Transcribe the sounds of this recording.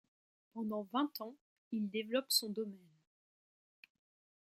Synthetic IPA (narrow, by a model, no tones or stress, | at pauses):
pɑ̃d̪ɑ̃vɛ̃t̪ɑ̃ | ild̪evlɔpsɔ̃d̪ɔmɛn